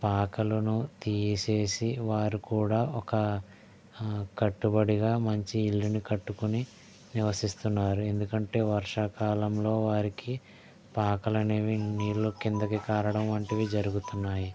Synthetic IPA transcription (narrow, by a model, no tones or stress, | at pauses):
paːkɐlɐnut̪iːse̞ːsiʋaːɾukuːɽaːɔkɐ | kɐʈːubɐɽiɡaːmɐɲt͡ʃiːlːinikɐʈːukuni | niʋɐsist̪unːaːɾue̞nd̪ukɐɳʈe̞ːʋɐɾʂɐkaːlɐmlo̞ːʋaːɾiki | paːkɐlɐneːʋiniːɾlokind̪ɐkikaːɾɐɽɐmʋɐɳʈiʋiːd͡ʒɐɾuɡut̪unːaːji